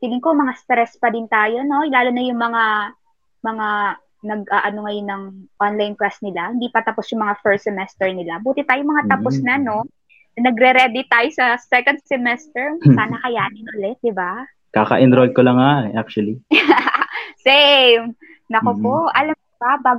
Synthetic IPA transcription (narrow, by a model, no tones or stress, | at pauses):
t̪ilɪŋkomɐŋast̪ɾɛspɐd̪ɪnt̪aːjo̞no̞laːlonɐjʊŋmɐŋa | mɐŋa | nɐɡ̚ʔaʔɐno̞ŋɐjonɐŋʔonlajnkɾasnɪlahɪnd̪iːpɐt̪ɐposjʊŋmɐŋafɛɹt̪sɛmɛst̪ɛɹnɪlabuːt̪ɪt̪aːjʊmɐŋat̪ɐposnɐno̞ | ɐnɐɡɾɛɾɛd̪ɪt̪ːaːjosɐsɛkond̪̚sɛmɛst̪ɛɹsaːnɐkɐjaːʔɐnɪnʔʊlɛt̪̚d̪ɪba | kakɐ̰ʔɛnd̪ɾod̪̚kolɐŋːaʔɛʔak̚t͡ʃuɐli | sɛm | nɐkopo̞ʔʔɐlɐmkobabaːɡ